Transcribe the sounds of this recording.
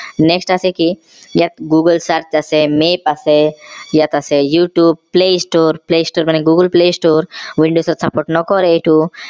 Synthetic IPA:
neksʈaseki | jat̪ɡuːɡəlsaɾt͡ʃasemeːpasejat̪asejuːʈjuːb̚pleːsʈoːɾpleːsʈoːɾmaniɡuɡəlpleːsʈoːɾʋĩɳɖoːsɐɾt̪sɐpoːɾʈnɔkɔɾeʈu

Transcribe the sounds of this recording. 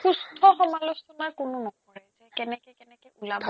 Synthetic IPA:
xustʰɔxɔmalusɔnakʊnʊnɔkɔɹɛzɛkɛnɛkɛkɛnɛkɔulabʱɔ

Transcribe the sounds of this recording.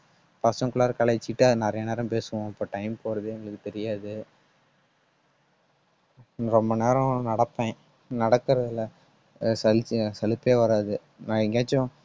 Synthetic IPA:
pɐsɐ̃ŋkʊɭaːɾkɐɭɐɪt͡ʃːɪʈːɯɐðɯnɐɾɐjɐneːɾɐ̃mpeːsɯʋõɪpːoːʈɐɪmpoːɾɐðɯɛŋɡɐɭɯkːɯt̪ɛɾɪjaːðɯ | ɾɔmbɐneːɾɐ̃nɐɽɐpːẽː | nɐɽɐkːɯɾɐðɪlɐ | sɐlt͡ʃːsɛlɯpːeːʋɐɾaːðɯ | nãɪŋɡeːt͡ʃːʊ̃

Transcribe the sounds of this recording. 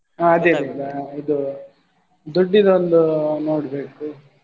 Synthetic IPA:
aɐd̪eːnelːɐid̪u | d̪oɖːid̪ɐond̪uno̞ːɽbe̞ːku

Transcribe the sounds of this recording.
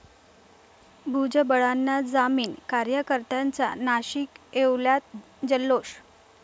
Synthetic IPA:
bʱud͡ʑəbəɭanːad͡zamiːnkaɾjəkəɾt̪ant͡sa̰naɕiːkeʋljat̪̚ | d͡ʑəlːoɕ

